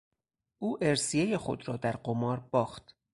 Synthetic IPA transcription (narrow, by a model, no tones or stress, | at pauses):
ʔuːʔeɾsijeje̞xo̰d̪ɾɒːd̪æɾɢomɒːɾbɒːxt̪